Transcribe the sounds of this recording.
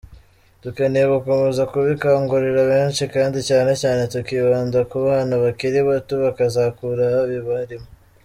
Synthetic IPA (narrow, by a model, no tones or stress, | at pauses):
tukeneeβukomezakuβikaːŋɡuɾiɾaβeːnt͡ʃikaːndicaːne̞caːne̞tukiβaːndakuβaːnaβakiɾiβatuβakazakuɾahaβiβaɾimo